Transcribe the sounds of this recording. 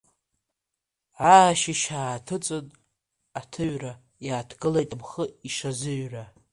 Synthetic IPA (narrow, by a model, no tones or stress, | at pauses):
aʃiʃaːtʰɨt͡sʼɨn | atʰɨɥra | jaːtʰɡɨlejtʼamχəiʂazɨɥra